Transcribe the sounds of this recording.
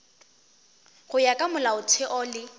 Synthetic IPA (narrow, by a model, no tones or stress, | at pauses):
ɣʊjakʼamʊlaʊtʰɪʔɔlɪ